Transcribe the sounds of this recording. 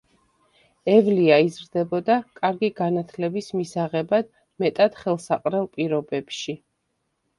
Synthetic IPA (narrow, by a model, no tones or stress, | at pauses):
ɛvliaizɾd̪ɛbɔd̪akʼaɾɡiɡanat̪ʰlɛbismisaʁɛbad̪̥ | mɛt̪ʼad̪̥χɛlˠsaqʼɾɛlˠpʼiɾɔbɛpʃi